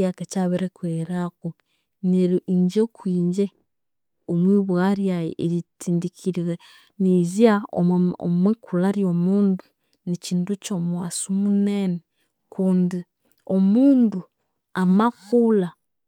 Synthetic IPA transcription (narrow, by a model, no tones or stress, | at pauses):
akacaβeɾekweɾako | neɾiiɲɟekwiːɲd͡ʒe | omwiːβwaɾja̰eɾitiːndikʰiɾiɣe | niziaoo̰mwekulaɾjo̞muːndu | niciːnducomuwaːsumunene | kuːndi | omuːndu | amafula